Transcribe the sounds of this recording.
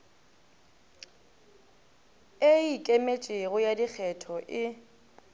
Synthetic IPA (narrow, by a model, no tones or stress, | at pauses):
eikʼemet͡ʃʼeɣʊjadik͡xʰɛtʰɔʔɪ